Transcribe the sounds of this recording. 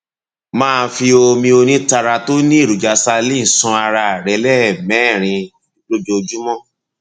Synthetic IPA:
mãː˦˧fi˧o˧mĩ˧o˧nĩ˦ta˧ɾa˧to˦nĩ˦i˦˨ɾu˨d͡ʒa˧sa˧lĩ˦˨sɔ̃˧a˧ɾa˧˨ɾɛ˨˦lɛ˦˨mɛ̃˨˦˨ɾ̃ĩ˧˦ | lo˦d͡ʒo˧d͡ʒu˦mɔ̃˦˨

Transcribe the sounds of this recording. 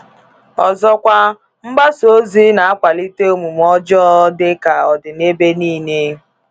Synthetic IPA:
ɔ̰˨zɔ˦kʷa˦ | m̩˦ba˦so˦zi˦na˨a˦kʷa˨li˦te˦o˦mu˨m˦ɔ˦d͡ʒɔ˦dɪ˦ka˨ɔ˨dɪ˨ne˦be˦niː˦˨ne˦

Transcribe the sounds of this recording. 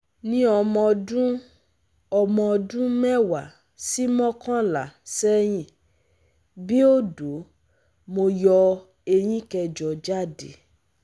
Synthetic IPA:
nĩ˦ɔ˧mɔ̃˧dũ˦ | ɔ˧mɔ̃˧dũ˦mɛ˦wa˨ | si˦mɔ̃˦kã˦la˨sɛ˦j̃ĩ˦˨ | bi˦o˦do˨˦ | mo˧jɔ˧ | e˧j̃ĩ˦kɛ˧d͡ʒɔ˨d͡ʒa˦˨de˨

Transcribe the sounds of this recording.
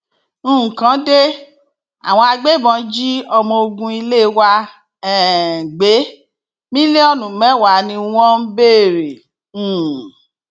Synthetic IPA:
ñ̩˦˨kã˨˦de˦ | a̰˨w̃ɔ̃˧a˧ɡ͡be˦˨bɔ̃˧˦d͡ʒi˦ɔ˧mɔ̃˧o˧ɡũ˧˦i˧le˦wa˧ | ɛ˦˨ɡ͡be˨˦ | mĩ˦le˦ɔ˧nũ˨mɛ̃˨˦˨wa˨˦nĩ˧w̃ɔ̃˦m̩˦be˦˨ɾẽ˨˦˨

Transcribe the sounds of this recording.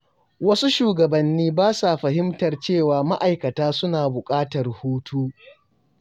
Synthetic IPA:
wɐ˦su˦ʃuː˨ɡɐ˨bɐ˨nːiː˦baː˦sa˨ɸɐ˨ɦɪ˦mtɐ˨rt͡ʃeː˦˨waː˨ma˦ʔa˨jkɐ˨taː˦sʊ˦naː˨bʊ˨kʼaː˦tɐ˨rhuː˦tʰuː˦

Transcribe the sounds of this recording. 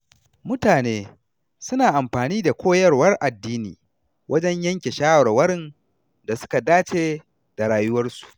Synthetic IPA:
mʊ˦taː˨neː˦ | sʊ˦naː˨ʔa˨mɸaː˨niː˦da˨kʷoː˦jɐ˦rwɐ˦rʔa˨dːiː˦nḭː˨ | wʔɐ˦d͡ʒɛ˦ɲjɐ˦ŋkʲe˨ʃaː˦wɐ˨ɾwɐ˦ɽɪ˦˨n | da˨sʊ̥˦ka˨daː˦t͡ʃeː˦ | d̥a˨ɽaː˨jʊ˦wɐ˦rsu̥˨ʔ

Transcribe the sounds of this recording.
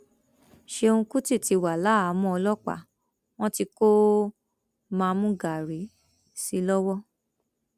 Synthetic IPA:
ʃe˧o˧ũ˧ku˦ti˦˨ti˨˧wa˨la˨˦a˨˦mɔ̃˧˦ɔ˧lɔ˦k͡pa̰˦˨ | w̃ɔ̃˦ti˧ko˦ | mãː˧mũ˦ɡa˨ɾi˨˦ | si˦lɔ˦wɔ˦

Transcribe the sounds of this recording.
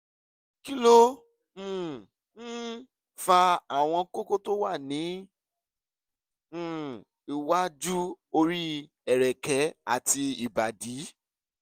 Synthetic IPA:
ki˦lõ˦˨˦ | fa˧a˨w̃ɔ̃˧ko˦ko˦to˦wa˦˨nĩ˨˦ | i˨wa˦d͡ʒu˦o˧ɾi˦ | ɛ˨ɾɛ˨kɛ˨˦a̰˨ti˧i˨ba˨di˨˦

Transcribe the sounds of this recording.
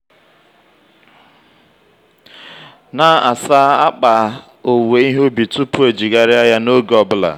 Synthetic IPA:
na˦a˨sa˦a˦k͡pa˨ | o˨we˨˦i˦ɦo˦bi˨tu˦pʊ˦e˨d͡ʒi˨ɡa˦ɾɪ˦a˦ja˦no˦ɡɔ˨bʊ˦la̰˨

